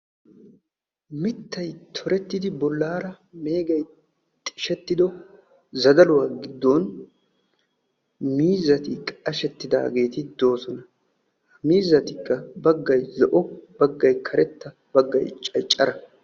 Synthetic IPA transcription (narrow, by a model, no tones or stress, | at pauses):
mɪt̪ːɐjt̪ʰɔɾɛt̪ːɪd̪ɪbɔlːaːɾɐ | me̞ːɡɐj | t̪ʼɪʃɛt̪ːɪd̪ɔ | zɐd̪ɐlʊwaːɡɪd̪ːoːn | miːzɐt̪ɪkɐʃɛt̪ːɪd̪a̰ːɡe̞ːt̪ɪd̪o̞ːsɔnɐ | miːzːɐt̪ɪkːɐbɐɡːɐjzɔʔɔb̥ɐɡːɐjkʰɐɾɛt̪ːɐ | bɐɡːɐ̰jt͡ʃʼɐjt͡ʃʼːɐɾɐ